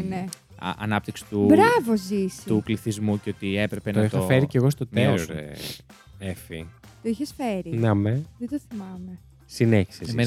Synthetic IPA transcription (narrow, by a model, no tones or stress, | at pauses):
nḛ | ɐ̰nɐp̚t̪iksi̥t̪ubɾɐvozisukliθizmuceot̪iepɾepent̪oɐixɐoe̞ɾice̞ɣo̞st̪o̞t̪eoɾḛ | efit̪oiçesfeɾinɐmeðed̪oθimɐme | sineçi̥sez